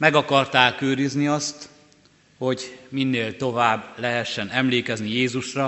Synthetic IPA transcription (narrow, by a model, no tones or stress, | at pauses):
mɛɡɒkɒrt̪aːkøːɾizniɒst̪ | ho̞ɟminːeːlt̪o̞vaːbːlɛɦɛʃːɛnɛmleːkɛznijeːzuʃrɒ